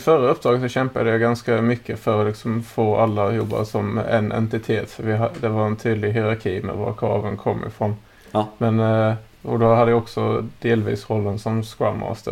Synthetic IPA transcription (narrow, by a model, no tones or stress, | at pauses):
fœɾːəʊpːd̪ɾɑːɡəsɔɕɛmpəd̪ɛjʊɡɑnskəmʏkːəfœɾɔlɪksɔmfoːɑlːəjɔbːɑ̰ɾsɔmʔɛ̰nʔɛ̰nt̪ɪt̪ʰeːt̪fɔɾʋɪd̪ɛʋɑɾɛnt̪ʰyːd̪əlɪɦɪɾɑɾkʰiːmɛ̰ʋɑ̰ɾkʰɾɑ̰ːʋənkʰɔmːʔɪ̰fɾɔn | mɛn | ɔd̪ɔɦɑd̪ːəɔksɔd̪eːlʋḭːsɾɔlːənsɔmskɑ̰mːə̰ɔ̰sd̪̥ɛ̰